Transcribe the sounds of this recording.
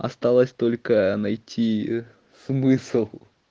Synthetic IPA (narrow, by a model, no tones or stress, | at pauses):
ɐ̰st̪alˠəsʲt̪olʲkənɐjtʲʰi | smɨsɨlˠ